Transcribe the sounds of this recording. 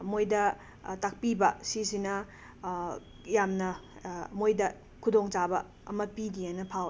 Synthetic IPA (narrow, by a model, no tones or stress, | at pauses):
mojdɐ | tak̚pibɐsis̬inɐ | jamnɐmojdɐ | kʰudoŋt͡ʃabɐ | ɐmɐpidianɐpʰaw